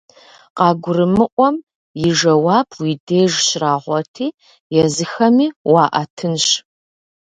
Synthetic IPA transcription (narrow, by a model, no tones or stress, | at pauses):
qɑːɡʷʊrɨmɨʔʷɔm | jɪʒɐwaːbwideːʒɕraːʁʷɔtʰiː | jɛzɨxɐmiːwɑːʔɐtʰɨnɕ